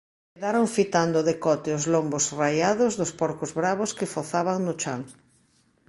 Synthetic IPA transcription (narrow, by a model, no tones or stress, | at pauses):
keðaɾoɱfit̪and̪ʊðekɔt̪ɪʊzlombosrajaðʊzðʊspɔɾkʊzβɾaβʊskɪfoθaβaŋnʊt͡ʃaŋ